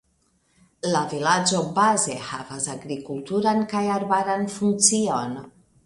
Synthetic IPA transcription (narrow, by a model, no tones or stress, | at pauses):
lavilad͡ʒobazeha̰vazaɣɾikulˠt̪uɾaŋkajaɾβaɾanfunsion